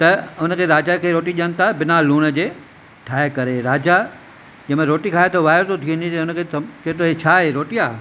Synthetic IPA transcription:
t̪ɐʊnə̆kʰeːɾaːd͡ʑakʰeːɾoːʈiɗijənɪ̆t̪ʰabɪnaluːɽəd͡ʑeː | ʈʰaːekɐɾeɾaːd͡ʑa | d͡ʑɐ̃mẽɾoːʈikʰaːɦet̪ɐʋaːɪɾt̪ʰot̪ʰiʊnit̪ɐʊnə̆kʰeːt̪ɐt͡ɕɐɦt̪ʰoɦet͡ɕʰaːɦeɾoːʈijaː

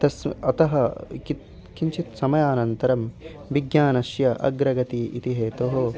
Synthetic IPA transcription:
t̪ɐsɐt̪ɐɦɐkit̪ | kiɲt͡ʃʰit̪sɐmɐjaːnɐnt̪ɐɾɐm | ʋiɡjaːnɐʃjɐʔɐ̰ɡɾɐɡɐt̪iːʔit̪iɦeːt̪oːɦoː

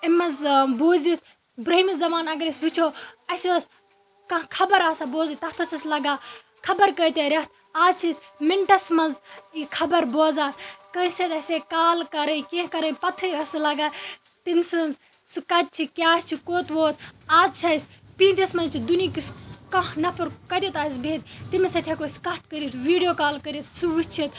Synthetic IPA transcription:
ɐmɐzboːzit̪ʰ | bɾɐɦimizɐmaːnɐɡɐɾisʋit͡ʃʰoːɐsiɐs | kɐ̃kʰɐbɐɾaːsaboːzɐt̪ɐht̪ʰɐsɐslɐɡaː | kʰɐbɐɾkɐjt̪eɾʲɐt̪̚ | aːzt͡ʃʰismiɳʈɐsmɐnzikʰɐbɐɾboːzaːnkɐːsɐt̪ɐseːkaːlkɐɾɐikẽɦkɐɾɐipɐt̪ʰɨɐslɐɡaː | t̪insɨnz | sukɐt̪̚t͡ʃʰikʲaːst͡ʃʰikoːt̪ʋoːt̪̚aːzt͡ʃʰɐsʲpiːnt̪ʰɐsmɐnzt͡ʃʰid̪unikiskɐ̃ɦnɐpɐɾkɐd̪ʲet̪aːis̬bʱeːt̪t̪imsɐt̪ʰjekoːskɐt̪̚ʰkɐɾit̪ʋiːɖijoːkaːlkɐɾit̪suʋut͡ʃʰit̪

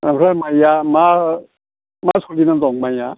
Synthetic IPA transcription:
apʰɾamajama | masʰolinat̪ɔŋmaja

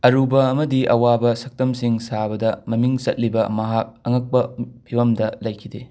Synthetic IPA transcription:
ɐɾubɐːmɐdiɐwabɐsɐk̚tɐmsiŋsabɐdɐmɐmiŋt͡ʃɐt̚libɐmɐɦak̚ɐŋɐk̚pɐpʰibɐmdɐlɐjkʰide

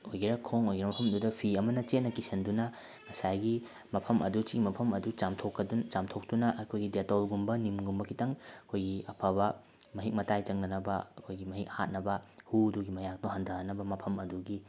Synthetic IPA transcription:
ojɡiɾɐkʰoŋojɡiɾɐmɐpʰɐmɐdudɐpʰiɐmɐnɐt͡ʃet̚nɐkisɐndunɐ | ŋɐsajɡi | mɐpʰɐmʔɐ̰dut͡ʃiɡimɐpʰɐmɐdut͡ʃamtʰokːɐdunt͡ʃamtʰok̚dunɐʔkʰojɡidetolɡumbɐnimɡumbɐkʰitɐŋɐkʰojɡiɐpʰɐβɐ | mɐɦik̚mɐtajt͡ʃɐŋnɐnɐbɐɐkʰojɡimɐɦik̚ha̰t̚nɐbɐhuduɡimɐjak̚toɦandʱɐɐnɐbɐmɐpʰɐmɐduɡi

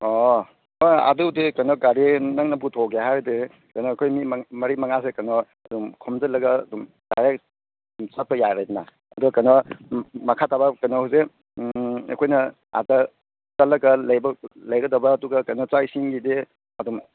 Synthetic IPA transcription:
ɔ | ɔa̰dudekɐnɔɡaɾenaŋnɐbutʰoɡeɦajɾde | kɐnɔkʰojmimmɐɾimɐŋas̬ekɐnɔ | ɐduŋkʰɔmzɐlɐɡɐ̰dum | ɡaɾe | mt͡ʃat̚pɐjajɾajdina̰ | ɐduɡɐkɐnɔmɐkʰatʰabɐkɐnɔhawse | ɐ̰kʰojnɐ | a̰dɐ | t͡ʃɐlɐɡɐlɐjbɐlɐjɡɐdɐbɐːduɡɐkɐnɔt͡ʃajsiŋɡide | ɐdum

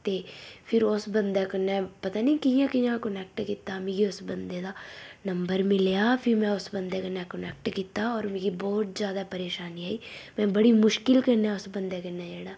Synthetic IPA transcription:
t̪eːpʰɪɾʊsbə̃nd̪akənɛ̃pɐt̪aːnɐĩkiijãkijãkənɛːk̚ʈkit̪ːameːɡiʊsbənd̪ed̪aːnɐ̃mbəɾmɪljaːpʰɪɾmɛ̃ʊsbənd̪ekənãkənɛːk̚ʈkit̪ːaɔːɾmẽːɡibɔːt̪̚zjaːd̪apəɾeːʃaːniaːiːmɛ̃bɐɽimʊʃkɪlkəɾneaʊsbə̃nd̪ekənad͡ʒɛːɽaː

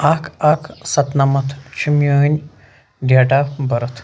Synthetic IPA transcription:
aːkʰaːkʰsɐt̪nɐmɐt̪ʰt͡ʃʰimjoːnʲ | ɖjaːʈabɐɾɐt̪ʰ

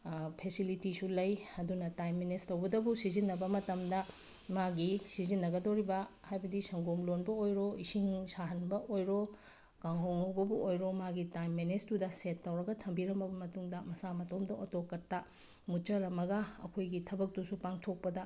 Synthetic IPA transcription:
pʰesilitisulɐjɐdunɐtajmːenestɐwbɐdɐbusizinːɐbɐmɐtɐmdɐ | maɡisizinːɐɡɐdoɾibɐhajbɐdisɐŋɡomlonbɐojɾoisiŋsaɦɐnbɐʔojɾo | kaŋhoŋobɐbuʔojɾomaɡitajmːenestudɐsetːɐwɾɐɡɐtʰɐmbiɾɐmbɐbɐmɐtuŋdɐmɐsamɐtomdɐotokːɐɾtɐ | mut͡ʃɐɾɐmɐɡɐɐ̰kʰojɡitʰɐbɐk̚tusupaŋtʰok̚pɐdɐ

